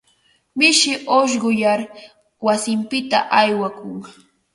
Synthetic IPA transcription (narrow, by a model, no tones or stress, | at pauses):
mɪʃɪʔoʃ̬ɢʊjaɾ | wasɪmpɪt̪a̰ʔajwakʊŋ